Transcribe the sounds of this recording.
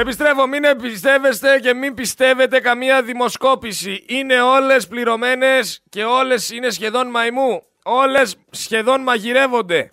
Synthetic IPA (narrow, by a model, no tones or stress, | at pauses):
epist̪ɾe̞fo̞minepist̪e̞ve̞st̪e̞ce̞mimbist̪e̞ve̞t̪e̞kɐmiɐðimo̞sko̞pisiine̞o̞le̞spliɾo̞me̞ne̞sce̞o̞le̞sine̞sçe̞ðo̞nmɐimu | o̞le̞sː | çe̞ðo̞nmɐʝiɾe̞vo̞nd̪e̞